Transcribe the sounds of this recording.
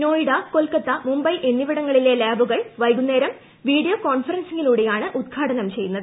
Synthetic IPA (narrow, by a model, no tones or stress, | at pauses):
no̞ːjiɽɐkolkɐt̪ːɐmumbɐjʔe̞nːiʋiɽɐŋːɐɭile̞laːbuɣɐɭʋɐjɡunːeːɾɐm | ʋiːɖijokoːɳfɐɾɐnsiŋɡiluːɽe̞jaːɳɨʔud̪̚ɡʰʱaːɽɐnɐmt͡ɕe̞jːunːɐðɨ